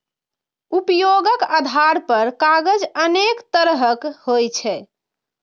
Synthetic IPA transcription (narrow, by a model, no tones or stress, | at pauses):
upjoɡəkad̪ʱaɾpəɾkaɡəd͡ʒənekt̪əɾɦəkhojt͡ʃʰɛ